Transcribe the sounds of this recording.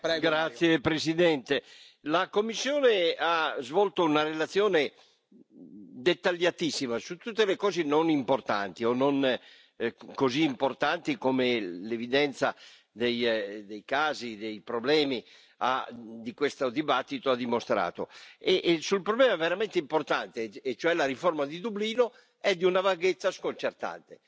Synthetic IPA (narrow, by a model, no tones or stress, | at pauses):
pɾɛɡɡɾat̪sːjepɾesid̪ɛnt̪e | lakomːisːjoːneazvɔlt̪ounaɾelat̪sːjoːne | d̪et̪ːaʎːat̪isːimasut̪ːut̪ːelekɔːzenonimport̪a̰nt̪ionon | koziːmport̪ant̪ikomelevid̪ɛnt̪sa | d̪ejd̪ejkaːzid̪ejpɾoblɛːmi | a̰d̪ikwest̪od̪ibat̪ːit̪oad̪imost̪ɾa̰ːt̪oeʔsulpɾoblɛːmaɛveɾamɛnt̪eimport̪ant̪eːt͡ʃoɛlaɾiformad̪id̪ubliːno | ɛd̪ːiunavaɡet̪sːaskont͡ʃert̪a̰nt̪e